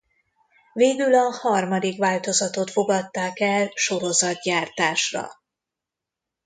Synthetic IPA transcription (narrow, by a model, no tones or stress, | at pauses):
veːɡylɒhɒrmɒd̪ikʋaːlt̪o̞zɒt̪o̞t̪fo̞ɡɒt̪ːaːkɛlʃo̞ɾo̞zɒd̪̚ɟaːrt̪aːʃrɒ̰